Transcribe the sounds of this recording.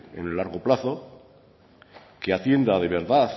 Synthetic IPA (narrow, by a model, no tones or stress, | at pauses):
ḛnelːaɾɣ̞o̞plaθo̞ | keat̪je̞nd̪að̞e̞β̞e̞ɾðaθ